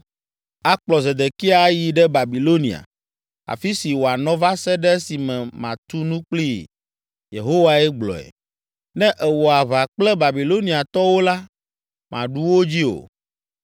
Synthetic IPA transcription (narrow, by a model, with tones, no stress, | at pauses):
a˦k͡plɔ˨ze˨d̪e˨ki˦a˨ji˨ɖɛ˦ba˨bi˨lo˦nḭ̃˨a̰˨ | a̰˨fi˦si˨wo˨a˨nɔ̃˦va˦sɛ˦ɖɛ˦si˨mɛ̃˨mã˨t̪u˦nũ˦k͡pli˦˨ | jḛ˨ɦo˦wa˦ɛ˦ɡ͡blɔ̰˨ɛ̰˨ | nɛ̃˦ʔɛ˨wɔ˨a˨βa˨k͡plɛ˦ba˨bi˨lo˦nĩ˨a˨t̪ɔ˦wo˦la˦ | mã̰˨ɖu˦wo˦d͡ʑi˦o̰˨